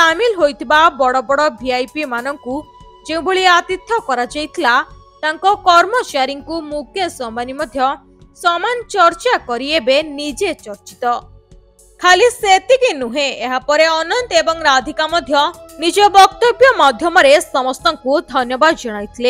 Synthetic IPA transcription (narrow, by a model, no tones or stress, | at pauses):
t̪amilɦojt̪ʰibabɔɽɔbɔɽɔbʱiajpimanɔŋku | d͡ʒeũbʱoɭiat̪it̪ʰjɔkɔɾad͡ʒajt̪ʰila | t̪aŋkɔkɔɾmɔt͡ʃaɾiŋkumukʰjɔsɔmanimɔd̪ʱjɔ | sɔmant͡ʃɔɾt͡ʃakɔɾiebenid͡ʒet͡ʃɔɾt͡ʃi̥t̪ɔ | kʰaliset̪ikinuɦẽːɦapɔɾeɔnɔnt̪ebɔŋɾad̪ʱikamɔd̪ʱjɔnid͡ʒɔbɔkt̪objɔmɔd̪ʱjɔmɔɾesɔmɔst̪ɔŋkud̪ʱɔnjɔbad̪ɔd͡ʒɔɽ̃ajt̪ʰile